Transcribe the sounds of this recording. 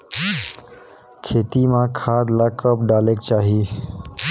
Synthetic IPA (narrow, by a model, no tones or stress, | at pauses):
kʰeːt̪imãkʰaːd̪lakəpɖaːleːkt͡ʃaːɦi